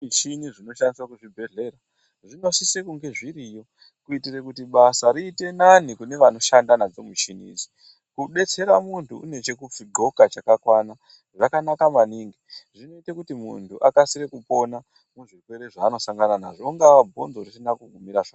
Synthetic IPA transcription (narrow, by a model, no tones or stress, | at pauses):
it͡ʃiniʐino̞ʃandiswakuʐibʱe̞ɮe̞ɾa | ʐino̞sisekuŋɡe̞ʐiɾijo̞ | kuitire̞kutiɓasaɾiːte̞nanikune̞ʋano̞ʃandanad͡zo̞mut͡ʃinḭd͡zi̥ | kuɓe̞t͡se̞ɾamuntʰuṵne̞t͡ʃe̞kup͡fiɡ͡ǃʱo̞kat͡ʃakakwana | ʐakanakamaniːŋɡiʐino̞itekutimṵntʰuʔakasiɾekupo̞na | muʐikwe̞ɾeʐaːno̞saŋɡanana̰ʐoŋɡaʋabʱo̞nzo̞risinakuɡʱumiɾaʐa